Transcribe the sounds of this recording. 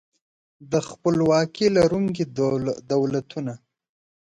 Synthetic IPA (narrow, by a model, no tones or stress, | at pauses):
d̪əxpəlwɑkilaɾuŋkid̪awlat̪una